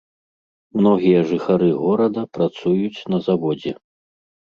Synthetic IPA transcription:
mnɔɣʲijɐʐɨxaɾɨɣɔɾɐd̪ɐpɾat̪sujut͡sʲnɐzavɔd͡zʲɛ

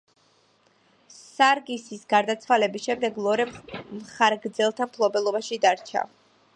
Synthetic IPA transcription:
saɾɡisisɡaɾd̪at̪sʰwalɛbisʃɛmd̪ɛɡlˠɔɾɛmχaɾɡɾd̪zɛlˠt̪ʰampʰlˠɔbɛlˠɔbaʃid̪aɾt͡ʃʰa̰

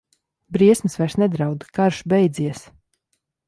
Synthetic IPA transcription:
bɾiɛsmisvɛʃsnɛd̪ɾawd̪kaɾʃbɛjd̪ziɛs

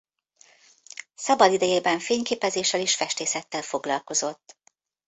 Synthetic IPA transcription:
sɒbɒd̪id̪ɛjeːbɛɱfeːɲkeːpɛzeːʃːɛleːʃfɛʃt̪eːsɛt̪ːɛlfo̞ɡlɒlko̞zo̞t̪ː

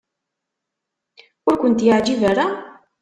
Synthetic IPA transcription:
ʊɾkʷʊnt̪jəʕd͡ʒivaɾa

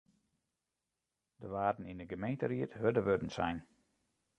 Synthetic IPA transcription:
dəʋaːdn̩indəɡəmejntəriətɦødəʋødən̩sɛ̰jn

